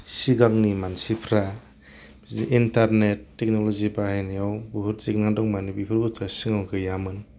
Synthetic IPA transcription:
siɡaŋnimansipʰɾa | ziʔintaɾnetːek̚nɔlɔzibahajnijawbuɦuɾzik̚naŋdɔŋmanibipʰɯɾbutʰasiŋawkʰɯjamɯn

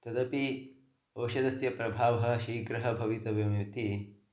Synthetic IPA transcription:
t̪ɐd̪ɐpi | ɐːʃɐd̪ɐsjɐpɾɐbʱaːʋɐɦɐ̆ʃiːɡɾɐɦɐbʱɐʋit̪ɐʋjɐmjut̪i

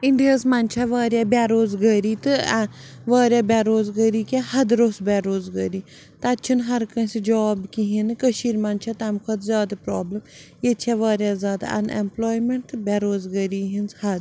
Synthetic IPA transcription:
iɳɖijɐsmɐnʲt͡ʃʰaʋaːɾjaːbʲaːɾoːzɡəːɾiːt̪ɨ | ʋaːɾʲjaːbʲaːɾoːzɡəːɾiːkʲahɐd̪ɾoːsbʲaːɾoːzɡɐːɾi | t̪ɐtːt͡ʃʰunɦɐɾkɐ̃sid͡ʒaːbkiɦinkəʃiːɾmɐnʲt͡ʃʰat̪ɐmkʰɐt̪zʲjaːd̪apɾaːbləmjet͡ʃʰaʋaːɾjazʲjaːd̪a̰ʔɐ̰nemploːjmeɳʈt̪ɨbʲaːɾoːzɡɐɾiːɦinzhɐd̪

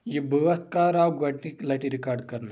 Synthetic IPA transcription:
jibəʋət̪kaːɾawɡɐʈniklaʈiɾikaːɾɖkɐɾna

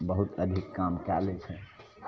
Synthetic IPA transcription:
bəɦut̪əd̪ʱikːamkɛlet͡ʃʰɛ

